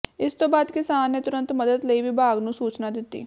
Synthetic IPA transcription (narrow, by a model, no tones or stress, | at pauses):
ɪst̪õːbaːd̪kɪsaːnːeːt̪ʊɾə̃nt̪məd̪əd̪ləiːʋiːbaːɡnũːsuːt͡ʃnaːd̪ɪt̪ːḭː